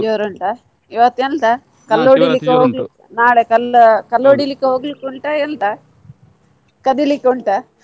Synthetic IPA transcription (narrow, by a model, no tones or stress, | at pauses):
joːɾɐɳʈɐ | iʋɐt̪ːent̪a | kɐlːoːɽilikːeɦoːɡlukː | naːɭekɐlkɐlːoːɽilikːeɦoːɡlukːuɳʈaent̪a | kɐd̪ilikːeuɳʈɐ